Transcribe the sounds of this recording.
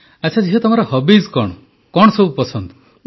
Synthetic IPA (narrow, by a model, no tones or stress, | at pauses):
at͡ʃʰad͡ʒiɦɔt̪ɔmɔɾɔhɔbizkɔɳɔ | kɔɳɔsɔbupɔsɔnd̪ɔ̥